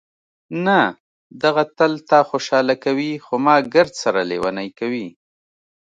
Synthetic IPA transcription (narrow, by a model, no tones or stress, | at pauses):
na | d̪aɣat̪alt̪ɑxoʃɑlakawixomɑɡəɾd̪saɾalewanajkawi